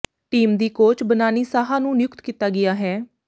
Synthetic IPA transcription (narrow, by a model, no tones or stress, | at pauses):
ʈiːmd̪iːkoːt͡ʃbənaːniːsaːɦãːnũːnɪjʊkt̪kiːt̪aːɡɪjaːɦɛː